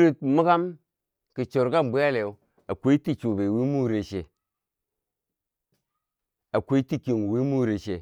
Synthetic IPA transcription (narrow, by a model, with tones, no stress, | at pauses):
ɾi˦t̚mu˦ka˦m | ki˨t͡ʃo˨ɾɡa˦˨m˨bu˦a˦le˨u˦ | a˨kʷe˦ti˦t͡ʃu˨be˨wi˦mu˦ɾe˨ʃe˨ | a˨kʷe˦ti˦ki˨ŋ˨wi˦mu˦ɾe˨ʃe˨